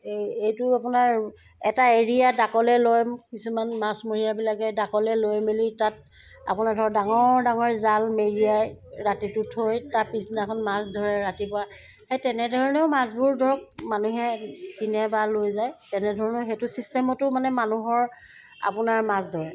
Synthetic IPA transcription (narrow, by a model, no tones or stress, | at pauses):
ejtʊapʊnaɹ | ɛtaeɹijadakɔlɛlojmkisumanmasmoɹijabilakɛdakɔlɛlojmilitat̚ | a̰pʊnadʱɔɹdaŋɔdaŋɔɹzalmeɹijajɹatitʊtʰojtapisnakʰɔnmasdʱɔɹɛɹatipɔa | hejtɛnɛdʱɔɹɔnɛʊmasbʊɹdʱɔɹɔk̚manuɦɛkinɛbalojzajtɛnɛdʱɔɹɔnɔxetʊsistɛmɔtʊmanɛmanuɦɔɹ | a̰pʊnaɹmasdʱɔɹɛ